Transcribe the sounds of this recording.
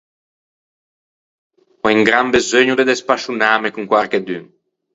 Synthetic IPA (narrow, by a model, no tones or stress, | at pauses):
ɔiŋɡɾambezøɲud̪ed̪espaʃunaːmekuŋkwaɾked̪yŋ